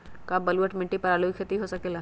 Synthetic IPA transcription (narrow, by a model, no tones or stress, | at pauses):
kabɐluəʈmɪ̃ʈːipɐɾaːluikʰet̪iɦosəkeːla